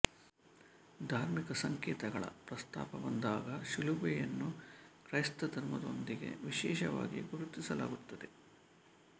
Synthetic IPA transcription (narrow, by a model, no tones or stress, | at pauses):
d̪ʱaːɾmikɐsɐŋkɛːt̪ɐɡɐɭɐ̰pɾɐst̪a̰ːpɐbond̪aːɡɐʃilubɛjɐnːukɾɐjst̪ɐt̪ɐɾmɐd̪o̞̰nd̪iɡe̞̰ʋiʃɛːʃɐʋaːɡḭɡuɾut̪ːisɐla̰ːɡut̪ːɐd̪e̞